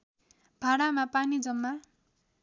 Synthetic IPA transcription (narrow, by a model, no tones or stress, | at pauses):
b̥ʱaɽamapanid͡zʌmːa